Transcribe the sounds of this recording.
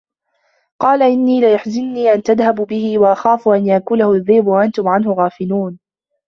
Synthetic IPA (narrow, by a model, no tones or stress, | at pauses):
qɑːlaʔɪnːiːlɪjaħzɪnːiːʔant̪aðhabbɪhɪwaʔaxaːfʊʔanjaʔkʊlahʊðˤːɪːbwaʔant̪ʊmʕanhʊɣaːfɪluːn